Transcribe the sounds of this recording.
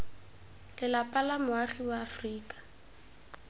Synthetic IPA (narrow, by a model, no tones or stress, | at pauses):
lɪlapʼalamʊaχiwaːfriːkʼḁ